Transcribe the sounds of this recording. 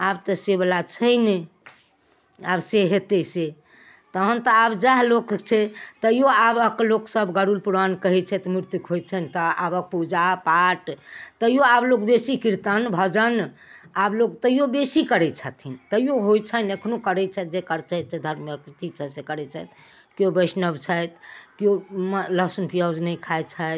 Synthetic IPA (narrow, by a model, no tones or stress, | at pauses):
abt̪əsebəlat͡ʃʰəjne | abseɦet̪ɛse | t̪əɦənt̪əabd͡ʒaɦlokt͡ʃʰɛt̪əjoabəkloksəbɡəɾulpuɾankəɦɛt͡ʃʰɛt̪miɾt̪jukɦojt͡ʃʰənt̪əa̰bək̚pud͡ʒapaʈt̪əjoablokbesikiɾt̪ənbʱəd͡ʒən | ablokt̪əijobesikəɾɛt͡ʃʰət̪ʰint̪əjoɦojt͡ʃʰənəkʰnokəɾɛt͡ʃʰɛt̪̚d͡ʒekəɾt͡ʃʰəjt͡ʃʰɛd̪ʱəɾmjəkɾt̪it͡ʃʰɛsekəɾɛt͡ʃʰɛt̪ | kobəɪsnəbt͡ʃʰəjt̪kiomləsunpijad͡ʒnəkʰajt͡ʃʰət̪